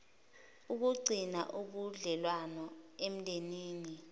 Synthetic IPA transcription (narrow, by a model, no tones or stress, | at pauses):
uk̬uɡ͡ǀʱina̰ʔuɓuɮɛlwanɔem̩dʱeniːni